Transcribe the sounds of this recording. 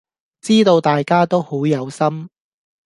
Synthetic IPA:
t͡siː˥t̪o˧wt̪aː˨jkaː˥t̪o˥who˨˥wjɐ˨˧wsɐ˥m

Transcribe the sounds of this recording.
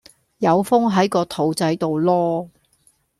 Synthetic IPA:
jɐ˨˧wfʊ˥ŋɦɐ˨˥jkɔː˧t̪ʰo˨˩wt͡sɐ˨˧jt̪o˨wlɔː˥

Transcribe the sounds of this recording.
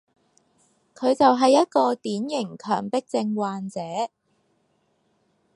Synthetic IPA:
kʰɵ˨˧ɥt͡sɐ˨wɦɐ˨jːɐ˥t̚kɔː˧t̪iː˨˥njɪ˨˩ŋkʰœ̰ː˨˩ŋpɪ˥k̚t͡sɪ˧ŋwaː˨nt͡sɛː˨˥

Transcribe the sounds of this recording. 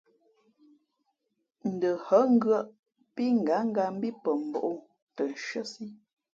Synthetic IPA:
n̩˨də˨hə˨˦ŋ̩˦ɡɰə˦ʔ | pi˦ŋ̩˨ɡa˨˦ŋ˦ɡa˨m̩˦bi˦pə˨m̩˨bɔ̰˨ʔo˦˨ | tə˨n˨ʃə˦si˦

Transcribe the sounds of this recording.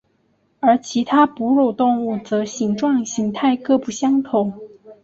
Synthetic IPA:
ə˞˧˥t͡ɕʰi˧˥t̪ʰa˥pu˧˥ɻo˨˩ʊt̪ʊ˥˧ŋu˥˩t͡sɤ˧˥ɕi˧˥ŋʈ͡ʂwɑ˥˩ŋɕi˧˥ŋt̪ʰa˥˧ɪkɤ˥˧pu˨˩ɕjɑ˥ŋt̪ʰʊ˧˥˦ŋ

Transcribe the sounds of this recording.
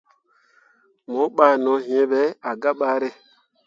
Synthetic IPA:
mo˨˦ɓaː˨nɔ̃˨˦ɦĩ˦ẽ˦ɓɛ˨˦a˨ɡa˦ɓaː˨˦ɾe˦

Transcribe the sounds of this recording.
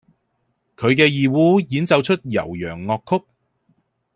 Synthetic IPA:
kʰɵ˨˧ɥkɛː˧jiː˨wuː˨˥jiː˨˥nt͡sɐ˨wt͡ʃʰɵ˥t̚jɐ̰˨˩wjœː˨˩ŋːɔː˧kʰːʊ˥k̚

